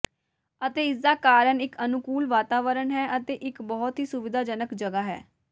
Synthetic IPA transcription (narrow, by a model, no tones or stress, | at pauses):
ət̪eːɪs̬d̪aːkaːɾəɳɪkənʊkuːlʋaːt̪aːʋəɾəɳɦɛːʔət̪eːʔɪkbɔːt̪ɦiːsʊʋɪd̪aːd͡ʒənəkd͡ʒəɡaːɦɛ̰ː